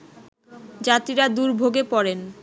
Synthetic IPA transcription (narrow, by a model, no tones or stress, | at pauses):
d͡ʑat̪iɾad̪uɾbʱoɡepɔɾen